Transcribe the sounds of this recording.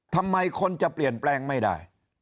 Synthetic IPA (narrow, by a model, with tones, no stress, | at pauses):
t̪ʰa˧mːa˧jkʰo˧nt͡ɕa˨˩pli˨˩ənplɛː˧ŋma˥˩jda̰ː˥˩j